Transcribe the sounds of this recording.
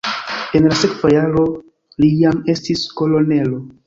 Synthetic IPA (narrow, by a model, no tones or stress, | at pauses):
e̞nlase̞kvajaɾo̞ | lijame̞stisko̞lo̞ne̞lo̞